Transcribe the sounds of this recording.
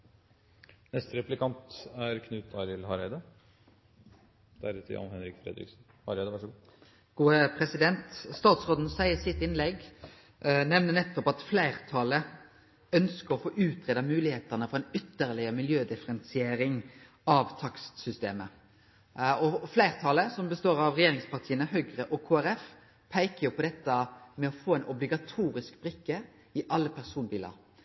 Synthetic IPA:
nɛst̪əɾɛplɪkʰɑnt̪æɾkʰnʉːt̪ɑɾɪlhɑɾæd̪ɑ | d̪̥æ̰ɾt̪ʰɪ̰ɑ̰nhɛnɾɪkfɾɛ̰d̪ɾɪ̰ksn̩ | hɑɾæd̪əʋɑʂəɡuː | ɡ̥uːəpʰʁɛsɪd̪ɛnt̪st̪ɑːt̪sʁoːd̪n̩sæɪəsɪt̪ɪnlɛɡ | nɛʋnənɛt̪ːɔpɑt̪flæɪʁt̪ʰɑlə | œnskəɾɔfoːʔʉːt̪ʰʁeːd̪ɑmʉːlɪheːt̪əʁnəfɔʁɛɪnʏt̪ːəʁlɪəmɪljøːd̪ɪfəɾɛnsɪeːɾɪŋ | ɑʋt̪ʰɑkst̪sʏst̪ḛːmə | ɔflæɪʁt̪ʰɑːləsɔmbəst̪oːɾɑʋʁɛjeːɾɪŋspɑʁt̪ʰiːənəɦœʏɡʁəʔɔkʰoːæɾɛf | pʰæɪkəjʊpʰɔd̪ɛt̪ːəmɛɔfoːɛɪnʔɔblɪɡɑt̪ʰuːɾɪskbɾɪkːə | ɪʔɑlːəpʰæʁsuːnbiːlə̰ɾ

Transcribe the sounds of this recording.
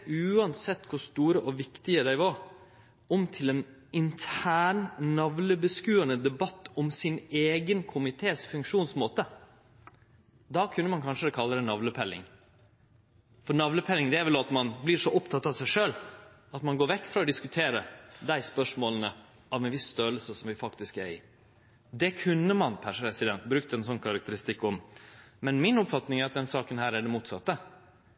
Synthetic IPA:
ʉːɑnsɛt̪ːkʰʊst̪uːɾəʔɔʋɪkt̪ɪəd̪æɪʋɑɾ | ɔmt̪ʰɪlɛn | ɪnt̪ʰæːɳnɑʋləbəskʉːənəd̪ɛbɑt̪ːɔmsɪneːɡənkʰʊmɪt̪ʰeːsfʉŋkʂuːnsmoːt̪ə | d̪ɑːkʰʉnːəmɑnkʰɑnʂəd̪ɛkʰɑlːəd̪ɛnɑʋləpʰɛlːɪ̰ŋ | fɔɾnɑʋləpʰɛlːɪŋd̪ɛæɾʋɛlɑt̪mɑnblɪʂɔʔɔpt̪ʰɑt̪ːɑʋsæɪʂøːl | ɑt̪mɑnɡoːɾʋɛkːfɾɑɔd̪ɪskʉt̪ʰeːɾəd̪æɪspœʂmoːlənə | ɑʋɛnʋɪsst̪øːləsəsɔmʋɪfɑkt̪ɪskæɾɪ | d̪ɛkʰʉnːəmɑnpʰæʂəpɾɛsɪd̪ɛnt̪bɾʉkt̪ɛnsɔnːkʰɑɾɑk̚t̪əɾɪst̪ɪkːɔmmɛnmɪnɔpfɑt̪nɪŋæɾɑt̪̚d̪ɛnsɑːkənhæːɾæɖɛmuːt̪sɑt̪ːə

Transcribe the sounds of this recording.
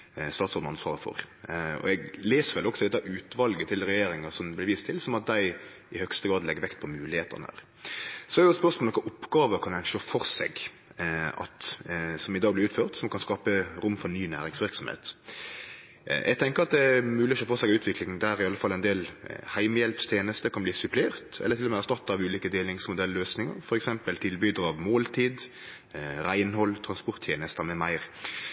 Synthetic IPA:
st̪ɑːt̪sɔʁd̪n̩ɑnsʋɑːɾəfɔ̰ɾ | ɔ̰ɛɡleːsəɾʋɛlɔksɔd̪ɛt̪ːɑʉːt̪ʋɑlɡət̪ʰɪlɾɛjeːɾɪŋɑsɔmblɪɾʋiːst̪ʰɪlsɔmɑt̪̚d̪æɪ | ɪhœkst̪əɡɾɑːd̪lɛɡəɾʋɛkt̪̚pʰɔmʉːlɪheːt̪ə̰ʁnə̰ɾ | sɔɛɾjʊspœɾsmolɔkːəʔʊpːɡɑːʋəkʰɑnæɪnʃøːfɔɾsɛ̰ɡ | ɑ̰t̪sɔmɪd̪ɑːɡblɪɾʉːt̪føːʁt̪sɔmkʰɑnskɑːpəɾʊmːfɔnyːnæ̰ːɾɪŋsʋɪɾksɔm̩hḛːt̪ | ʔɛ̰ɡt̪ʰɛŋkəɾɑt̪̚d̪ɛæmʉːlɪɔʃøːfɔsɛɡʉːt̪ʰʋɪklɪŋən̩d̪æɾɪɑlːəfɑlːæɪnd̪eːlhæɪməjɛlpst̪ʰjeːnəst̪əkʰɑnbliːsʉpʰleːʁt̪ɛ̰lːət̪ɪlɔmɛæst̪ɑt̪ːɑʋʉːliːkəd̪eːlɪŋsmʊd̪ɛlːøːsnɪŋə̰ɾfɔɾɛksɛmpəlt̪ʰɪlbyːd̪əɾɑʋmoːlt̪ʰiːd̪ | ɾæɪnhɔlːt̪ʰɾɑnspʊɾt̪ʰjeːnəst̪əɾmɛmæɪʁ

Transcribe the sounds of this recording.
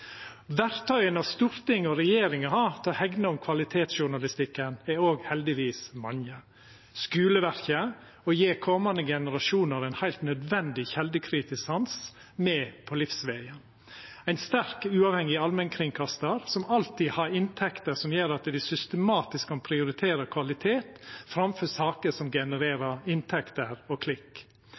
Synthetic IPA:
ʋæɾt̪ʰœʏənɑst̪uːɾt̪ɪŋːɔɾɛjeːɾɪŋəhɑɾt̪ʰɛɔhɛɡnəɔmkʰʋɑlɪt̪ʰeːt̪sʃʊɳɑlɪst̪ɪkːənɛɾoːɡhɛld̪ɪʋiːsmɑŋə | skʉːləʋæɾçə | ɔjeːkʰɔmɑnd̪əɡɛnəɾɑʂuːnəɾæɪnhæɪlt̪nœd̪ʋɛnd̪ɪçɛld̪əkʰɾiːt̪ɪsɑns | mɛːpʰɔlɪfsʋæɪə | æɪnst̪æɾkʉːɑːʋhɛŋɪɑlmɛnkʰɾɪŋkʰɑst̪əɾsɔmɑlt̪ʰiːhɑɾɪnt̪ʰɛkt̪əsɔmjeːɾɑt̪d̪ɪsʏst̪əmɑːt̪ɪskʰɑnpʰɾɪʊɾɪt̪ʰeːɾəkʰʋɑlɪt̪ʰeːt̪fɾɑmfœsɑːkəʂɔmɡɛnəɾeːɾəɾɪnt̪ʰɛkt̪əɾɔkʰlɪkː

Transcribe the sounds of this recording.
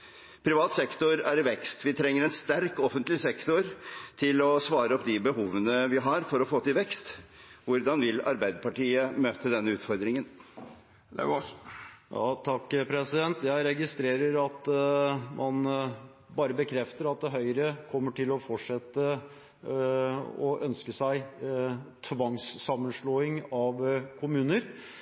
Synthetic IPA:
pʰɾɪʋɑːt̪sɛkt̪ʊɾæɾɪʋɛkst̪ʋɪt̪ʰɾɛŋːəɾɛnst̪æɾkɔfənt̪lɪsɛkt̪ʊɾt̪ʰɪlɔsʋɑːɾəɔpd̪ɪbəhuːʋənəʋɪɦɑɾfɔɾɔfoːt̪ɪlʋɛkst̪ʋʊɾd̪ɑnʋɪlɑ̰ɾbæɪd̪əɾpɑʈiːəmøːt̪əd̪ɛnːəʉːt̪fɔɾd̪ɾɪŋən | jɑ̰t̪ʰɑkːpʰɾɛsɪd̪ɛnt̪jæɪɾɛɡɪst̪ɾeːɾəɾɑt̪ | mʔɑn | bɑːɾəbəkʰɾɛft̪əɾɑt̪̚d̪ɛɦœʏɾəkʰɔmːəʈʰɪlɔfɔʈʂɛt̪ːə | ɔʔœnskəsæɪ | t̪ʰʋɑŋsːɑmːənʂɭoːɪŋɑʋkʰʊmʉːnəɾ

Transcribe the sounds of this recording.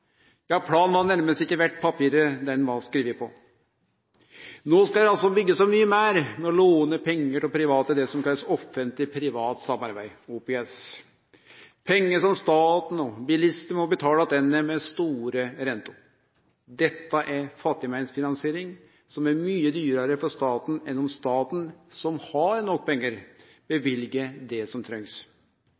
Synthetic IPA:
jɑːpʰlɑːnʋɑnæɾməst̪ɪkːəʋæʈːpʰɑpʰiːɾəd̪ɛnʋɑskɾiːʋɪpʰɔ | noːskɑld̪ɛɑlsɔbʏɡːəsɔmyːəmæːɾmɛɔloːnəpʰɛŋːəʈɪlpʰɾɪʋɑːt̪əd̪ɛsɔmkʰɑlːəsɔfənt̪lɪpʰɾɪʋɑːt̪sɑmːɑɾbæɪuːpeːɛs | pʰɛŋːəʂɔmst̪ɑːt̪n̩ɔbɪlɪst̪əmɔbət̪ʰɑːlɑd̪ɛnːəmɛst̪uːɾəɾɛnt̪ʊ | d̪ɛt̪ːɑʔæɾfɑt̪ːɪmæɪnsfɪnɑnseːɾɪŋ | sɔmæɾmyːəd̪yːɾəɾəfɔʂt̪ɑːt̪n̩ɛnːɔmst̪ɑːt̪n̩sɔmhɑɾnɔkːpʰɛŋːəɾ | bɛʋɪlɡəd̪ɛsɔmt̪ʰɾœŋs

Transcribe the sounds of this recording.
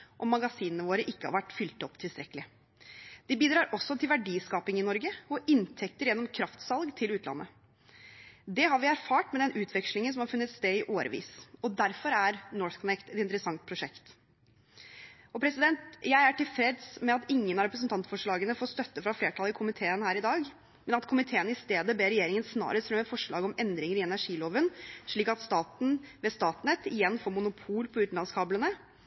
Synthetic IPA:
ʔɔmːɑɡɑsiːnənəʋoːɾəʔɪkːəhɑɾʋæʈːfʏlt̪ɔpːt̪ʰɪlst̪ɾɛkəlɪ | d̪̥ɪbiːd̪ɾɑːɾɔsːɔt̪ʰɪlʋæɖiːskɑːpɪŋɪnɔɾɡəɔʔɪnt̪ʰɛkt̪əɾjɛnːɔmkʰɾɑft̪sɑlɡt̪ʰɪlʉːt̪ʰlɑ̰nːʔə̰ | d̪ɛɦɑɾʋɪæɾfɑːʈmɛd̪ɛnʉːt̪ʰʋɛkʃlɪŋənsɔmhɑɾfʉnːət̪st̪eːɪʔoːɾʔə̰ʋḭːsɔd̪æɾfɔɾæɾnɔːɹθkʰɔnɛkt̪ɛt̪ɪnt̪ɾəsɑŋt̪̚pʰɾʊʂɛkt̪ | ɔpʰɾɛsɪd̪ɛnt̪jæɪæʈɪlfɾɛd̪smɛɑt̪ɪŋːənɑɾɛpɾəs̬n̩t̪ɑnt̪fɔʂɭɑːɡənəfoːst̪œt̪ːəfɾɑfleːʈʰɑlɪkʰʊmɪt̪ʰeːənhæːɾɪd̪ɑːɡ | mɛnɑt̪kʰʊmɪt̪ʰeːənɪst̪eːd̪əbeːɾɛjeːɾɪŋənsnɑ̰ːɾəsɾɑmɛfɔʂɭɑ̰ːɡɔmɛnd̪ɾɪŋəɾɪɛnæʂiːloːʋənʂɭiːkɑt̪st̪ɑːt̪n̩ʋɛst̪ɑːt̪nɛt̪ːɪjɛnːfoːmʊnʊpʰuːlpʰɔʉːt̪n̩lɑnskʰɑːblənə

